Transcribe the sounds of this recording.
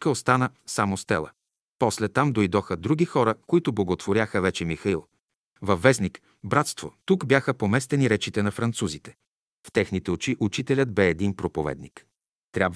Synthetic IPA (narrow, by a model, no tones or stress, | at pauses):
kəost̪anə | samost̪ɛ̰lˠə̰ | pɔslɛt̪amd̪ojd̪ɔxəd̪ɾuɡixɔɾəkoit̪ʊblˠɐɡot̪voɾʲjaxəvɛt͡ʃɛmixɐilˠ | vɐfːɛznik | bɾat̪st̪vo̰t̪ukbjaxəpomɛst̪ɛniɾɛt͡ʃit̪ɛnɐfɾɐnt̪suzit̪ɛ̥ | ft̪ɛxnit̪ɛot͡ʃiʔut͡ʃit̪ɛlʲəd̪bɛːd̪inpɾopovɛ̰d̪nik | t̪ɾʲab